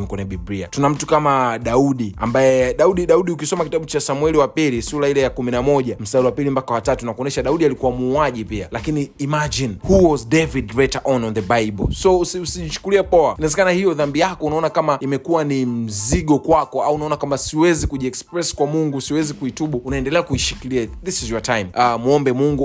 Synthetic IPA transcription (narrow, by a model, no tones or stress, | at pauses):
mkwɛnɛɓibɾia̰tunam̩tu̥kamaɗauɗia̰mbajɛɗauɗiɗauɗiukisɔmakitaɓut͡ʃasamuɛliwapilisuɾailɛjakuminamɔʄam̩saɾiwapilimpakawatatunakuɔnɛʃaɗauɗialikuwamuːaʄipialakiniːmad͡ʒinhuwɔzdɛvidɹɛtaʔɔnɔnðəbajɓɔ̰sɔsusiʄit͡ʃu̥kuliapɔanaɛzɛkanahijɔðambijakɔunaɔnakamaimɛkuwanim̩ziɠɔkwakɔaunaɔnakamasiwɛzikuʄiɛkspɾɛskwamuŋɡusiwɛzikuituɓuunaɛndɛlɛakuiʃi̥kiliaðisizwatajmamuɔmbɛmuŋɡu